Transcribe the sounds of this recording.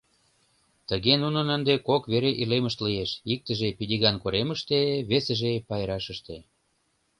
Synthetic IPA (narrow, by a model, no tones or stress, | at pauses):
t̪əɣenunənənd̪ekokβeɾeʔileməʃt̪lijeʃik̚t̪əʒepid̪ʲiɣɑnkoɾeməʃt̪eβesəʒepɑjɾɑʃəʃt̪e